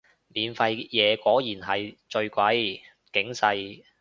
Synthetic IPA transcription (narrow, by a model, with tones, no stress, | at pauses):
miː˨˧nfɐ˧jjɛː˨˧kʷɔː˨˥jiː˨˩nɦɐ˨jt͡ʃɵ˧ɥkʷɐ˨˥j | kɪ˨˥ŋsɐ˧j